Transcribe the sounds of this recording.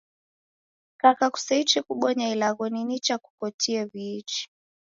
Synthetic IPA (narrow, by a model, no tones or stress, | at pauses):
kakaku̥sait͡ʃikuɓwɔɲailaɣɔninit͡ʃaku̥kɔtiɛviit͡ʃi̥